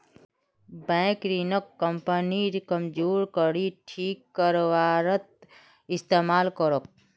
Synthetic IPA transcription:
bɛ̃ːkɾinəkːəmpəniɾkəmd͡ʒoːɾkəɽiʈʰiːkːəɾʋaːɾət̪̚ | ɪst̪eːmaːlkəɾok̚

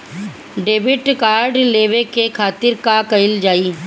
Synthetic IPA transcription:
ɖeːʋɪʈkaːɾɖleːʋekekʰaːt̪ɪɾkakəɪld͡ʒaːiː

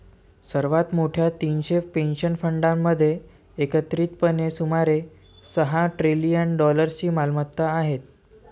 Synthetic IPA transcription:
səɾʋat̪moʈʰjat̪iːnɕepenɕənfəɳɖamːəd̪ʱːjeː | kət̪ɾiːt̪pənesumaɾe | səɦaʈɾilijənɖɔləɾt͡ɕiːmalmət̪ːaːɦet̪̚

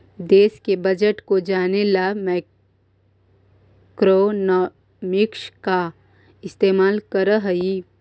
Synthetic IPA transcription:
d̪eːskebəd͡ʒəʈkod͡ʒaːnelamɛ | kɾon | mɪkʃka | ɪst̪eːmaːlkəɾəɦɐi

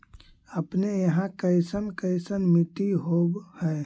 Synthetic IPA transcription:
əpnejəɦãkəɪsənkəɪsənmɪʈ̪iɦobhɛ

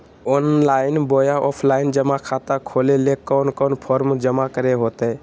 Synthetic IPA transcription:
ɔnlaɪnbojaʔɔpʰlaɪnd͡ʒəmakʰat̪akʰolelekːənkənpʰɔɾmd͡ʒəmakəɾeɦot̪ɛ

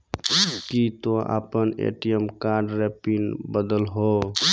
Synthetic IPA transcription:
kit̪oa̰pənḛʈiemkaɾɖɾepinbəd̪əlɦo

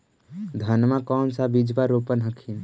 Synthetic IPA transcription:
d̪ʱənmãkɔːmsabid͡ʒbaɾopənɦəkʰin

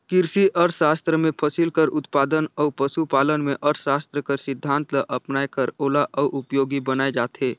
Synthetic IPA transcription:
kɪɾsiʔəɾsaːst̪ɾəmẽpʰəsilkəɾʊt̪paːd̪ənɔːpəʃupaːlənmẽʔəɾʃaːst̪ɾəkəɾsɪd̪ʱːãːnt̪ləʔɐpnaːekəɾoːlaʔɔːʔʊpjoːɡibənaːed͡ʒaːt̪ɦeː

